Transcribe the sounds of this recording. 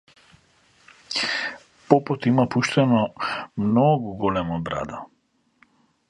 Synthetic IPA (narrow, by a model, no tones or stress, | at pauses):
pɔpɔt̪imapuʃt̪ɛnɔmnɔɡuɡɔlɛmɔbɾa̰d̪a